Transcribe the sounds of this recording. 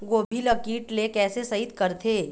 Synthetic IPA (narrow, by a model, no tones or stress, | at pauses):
ɡoːbʱiləkiːʈlekɛːsesɐɦɪt̪kɐɾt̪ʰeː